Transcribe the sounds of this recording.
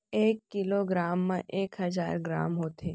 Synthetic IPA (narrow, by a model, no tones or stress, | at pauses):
ekːiloɡɾamːãʔekɦəd͡ʒa̰ɾɡɾa̰mɦot̪ʰe